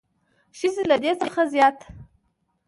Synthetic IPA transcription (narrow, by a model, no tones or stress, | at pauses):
ʃizilad̪et͡səxazjɑt̪